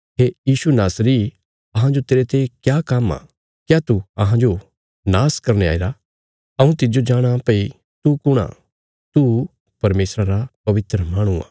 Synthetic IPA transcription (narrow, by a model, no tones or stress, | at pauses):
ɦeːjiːsunaːsɾiː | ɐɦãd͡ʒot̪eːɾet̪ekjaːkɐma̰ | kjaːt̪uɐɦãd͡ʒo | naːskɐɾñea̰ːiɾa | ɐũt̪ɪd͡ʒod͡ʒaːɽ̃apɐi | t̪ukʊɽ̃a̰ | t̪u | pɐɾmeːsɾaɾapɐʋɪt̪ɾəmãːɽ̃ua̰ː